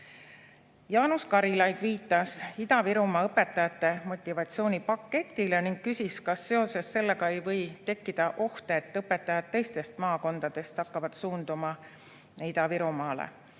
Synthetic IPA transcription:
jɑːnuskɑɾilɑjd̪̥viːt̪ːˑɑsid̪̥ɑviɾumɑɤpːe̞t̪ːˑɑjɑt̪ːˑe̞mo̞t̪ʲˑːivɑt̪sio̞ːnʲipɑkːe̞t̪ʲːˑile̞niŋɡ̥̚kysʲiskɑsːe̞o̞se̞sːe̞lːe̞ɡɑe̞jvɤ̞jt̪e̞kːid̪̥ɑʔo̞ht̪eːt̪ːɤpːˑe̞t̪ːˑɑjɑd̪̥̚t̪ːe̞jst̪e̞st̪mɑːko̞nd̪̥ɑd̪̥e̞st̪ɑkːɑvɑd̪suːnd̪̥umɑ | id̪̥ɑviɾumɑːlḛ

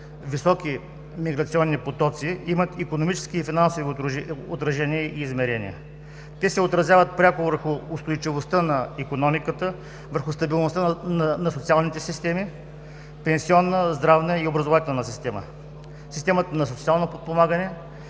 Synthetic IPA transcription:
visɔki | miɡɾɐt̪siɔnːipot̪ɔt̪siimət̪ikonomit͡ʃɛ̥skiːfinansoviot̪ɾɐʒɛniəiːzmɛɾɛnḭə̰ | t̪ɛsɛot̪ɾɐzjavət̪̚pɾʲakʊvəɾxʊːst̪ojt͡ʃivost̪ənɐikonɔmikət̪ə | vəɾxʊst̪ɐbilˠnost̪ənnɐsot̪sialˠnit̪ɛsist̪ɛmi | pɛ̃nsiɔnːəzd̪ɾavnəiobɾɐzovat̪ɛlˠnəsist̪ɛmə̰ | sist̪ɛmət̪ənɐsot̪sialˠnopot̪̚pomaɡənɛ

